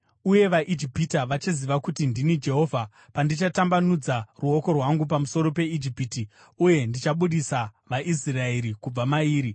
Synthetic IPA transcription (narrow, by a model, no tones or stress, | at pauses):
uje̞ʋaʔid͡ʒipitaʋat͡ʃiziʋakutindinid͡ʒe̞ɦo̞vʱa | pandit͡ʃatambanud͡zaruo̞ko̞rwaŋɡup̬amuso̞ɾo̞pe̞id͡ʒipiti | uje̞ndit͡ʃaɓuɗisaʋaʔis̬iraeɾikub͡vamaiːɾi